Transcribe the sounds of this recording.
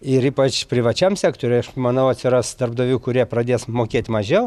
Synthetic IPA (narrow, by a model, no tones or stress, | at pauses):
ɪɾiːpɐt͡ʃpʲɾʲɪʋɐt͡ʃʲɛmsʲæːkt̪oːɾʲɛɪɐʃmɐnɐʊɐt̪ʲsʲɪrɑsd̪ɐrbd̪oːʋʲuːkʊɾʲiɛprɐd̪ʲeːsmoːkʲeːt̪ʲmɐʒʲɛʊ